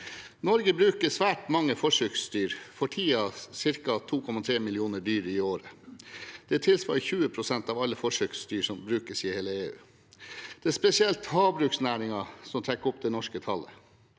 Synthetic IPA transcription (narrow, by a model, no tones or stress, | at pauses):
nɔɾɡəbɾʉːkəsʋæːʈmɑŋːəfɔʂøːkst̪yːɾfɔʈʰiːɑsɪɾkɑt̪ʰuːkʰɔmɑt̪ʰɾeːmɪlɪuːnəɖyːɾəɪoːɾə | d̪̥ɛt̪ʰɪlsʋɑ̰lçʉːəpʰɾʊsɛnt̪ɑːʋɑlːəfɔʂøːkst̪yːsɔmbɾʉːkəsiːheːləeːʉ̰ː | d̪̥ɛæspɛsɪɛlt̪hɑːbɾʉːksnæːɾɪŋɑsɔmt̪ʰɾɛkːɔpd̪ɛnɔʂkət̪ʰɑlə̰